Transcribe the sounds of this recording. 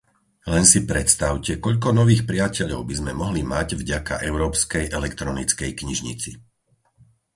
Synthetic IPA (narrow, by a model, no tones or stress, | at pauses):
lɛnsipɾɛt̪st̪aʊcɛkɔʎk̬ɔnɔʋiːxpɾɪacɛʎɔʊbizmɛmɔɦlimaɟvɟaka̰ʔɛʊɾɔːpskɛjʔɛlɛkt̪ɾɔnit͡skɛjkɲiʒɲḭt͡si